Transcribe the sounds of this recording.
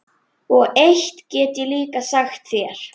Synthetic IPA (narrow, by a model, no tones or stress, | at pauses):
ɔɣejçt̪cɛːt̪jɪliːkasaxt̪θjɛɾ̥